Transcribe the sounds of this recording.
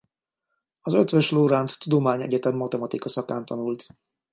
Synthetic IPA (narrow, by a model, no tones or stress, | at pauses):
ɒzøt̪ʋøʃloːɾant̪ːud̪omaːɲɛ̰ɟɛt̪ɛmːɒt̪ɛmɒt̪ikɒsɒkaːnt̪ɒnult̪